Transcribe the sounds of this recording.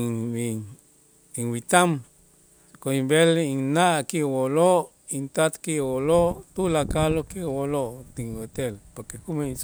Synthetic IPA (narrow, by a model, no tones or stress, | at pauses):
iŋwit̪am | koimbeliŋnaʔkiwolo | int̪at̪kiwolot̪ulakalokiwolot̪iot̪elpoɾkekumes